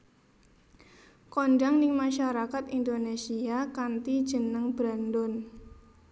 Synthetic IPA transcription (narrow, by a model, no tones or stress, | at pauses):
kɔnɖaŋnɪŋmaʃaɾakat̪indonesiakant̪i̥ʒ̥ənəŋbɾandɔn